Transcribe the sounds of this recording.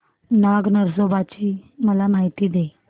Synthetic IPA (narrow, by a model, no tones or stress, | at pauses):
naɡnəɾsobat͡ɕiːməlamaɦit̪iːd̪e